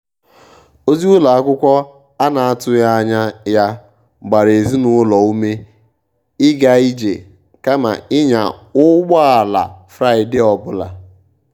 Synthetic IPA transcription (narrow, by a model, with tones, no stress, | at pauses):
o˦zi˦ʊ˦la˨a˦kʷʊ˦kʷɔ˦ | a˦na˨a˦tʊ˦ja˦a˦ɲa˦ja˦ | ɡ͡ba˨ɾe˨zi˦nʊ˦lɔ˨u˦me˦ | ɪ˦ɡa˦i˦d͡ʒḛ˨ | ka˦ma̰˨ɪ˦ɲa̰˨ʊ˦ɡ͡bɔ˦a˨la̰˨fɾa˦˨ɪ˨dɪ˦ɔ˨bʊ˦la̰˨